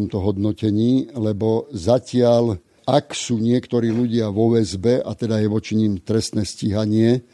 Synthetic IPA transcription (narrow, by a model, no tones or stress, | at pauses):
ɔmt̪ɔɦɔd̪nɔcɛɲiːlɛbɔzacɪal | aksuːɲɪɛkt̪ɔɾiːluɟɪaʋɔʋɛzbɛʔat̪ɛd̪ajɛʋɔt͡ʃiɲiːmt̪ɾɛst̪nɛːsciɦaɲɪɛ